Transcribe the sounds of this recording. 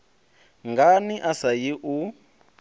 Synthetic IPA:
ŋɡaniʔasajiʔu

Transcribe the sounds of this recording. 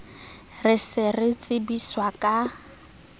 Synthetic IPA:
rɪsɪrɪt͡sʼɪbiswakʼa

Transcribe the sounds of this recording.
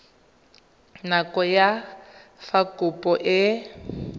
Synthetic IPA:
nakɔjafakupʼɔʔɪ

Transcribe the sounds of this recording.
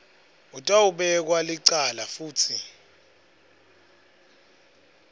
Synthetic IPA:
utʼauɓɛk̬waliǀalafuːtʰi

